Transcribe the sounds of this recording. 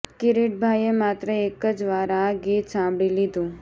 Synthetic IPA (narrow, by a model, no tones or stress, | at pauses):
kɪɾiʈ̚bʱajemat̪ɾəekəd͡ʒʋaɾaɡit̪sãmbɭilid̪ũ